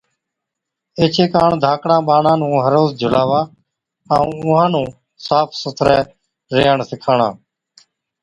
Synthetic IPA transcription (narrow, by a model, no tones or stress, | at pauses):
eːt͡ʃʰeːkaːɳd̪ʱaːkɽãːɓaːnãːnũːɦəɾoːzd͡ʒʱʊlaːʋaː | əũːʊ̃ɦãːnũː | saːpʰsʊt̪ʰɾɛː | ɾeːəɳsɪkʰaːɳãː